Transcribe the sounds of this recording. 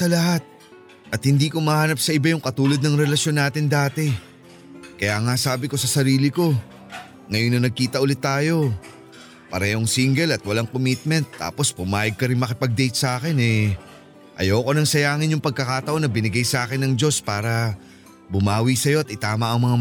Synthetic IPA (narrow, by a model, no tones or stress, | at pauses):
ɐlɐɦat̪̚ | ʔɐt̪̚hɪnd̪iːkomɐhaːnɐp̚sɐʔɪbajʊŋkɐt̪uːlɐd̪̚nɐŋɾɛlɐʃjo̞nːaːt̪ɪnd̪aːt̪ɛ | kɐjaːŋasaːbɪko̞sɐsɐɾiːlɪko̞ | ŋɐjonːɐnɐɡ̚kiːt̪ɐʔʊlɪt̪ːaːjo̞ | pɐɾɛːhoŋsiŋɡɛlɐt̪̚wɐlaŋkomit̪̚mɛnt̪ːa̰ːpo̞spʊmaːjɐɡ̚kɐɾɪŋmɐkɪpɐɡ̚d̪ɛjt̪̚sɐʔaːkɪnɛ | ʔɐ̰jowko̞nɐŋsɐjaːŋɪnjʊŋpɐɡ̚kɐkat̪ɐʔo̞nɐbɪnɪɡajsɐʔaːkɪnɐŋd͡ʒo̞spaːɾɐ | bʊmaːwisɐjo̞ɐt̪ɪt̪aːmɐʔɐŋmɐŋa